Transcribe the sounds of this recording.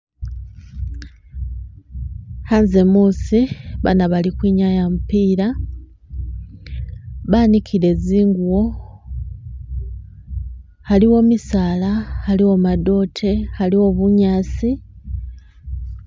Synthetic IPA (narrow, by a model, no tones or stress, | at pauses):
hanze̞muːsiβa̰naβalikwiɲajamupiːɾa | βanikʰiɾe̞ziːŋɡuwo̞ | haliwo̞misaːlahaliwomado̞ːtʰe̞haliwo̞βuɲaːsi